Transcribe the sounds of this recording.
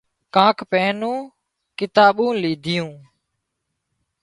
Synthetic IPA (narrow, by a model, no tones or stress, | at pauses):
kãːkpɛ̃ːnũː | kɪt̪aːɓũːliːd̪ʱɪjũː